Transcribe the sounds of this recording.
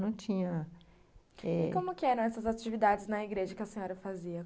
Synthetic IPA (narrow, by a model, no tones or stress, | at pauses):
nɐ̃w̃t͡ʃĩɲɐ | ɛɪ̰kõmʊkɪɛɾɐ̃w̃ɛsɐzat͡ʃivid̪ad͡ʒɪznɐiɡɾeʒɐkɪɐsẽɲɔɾɐfaziɐ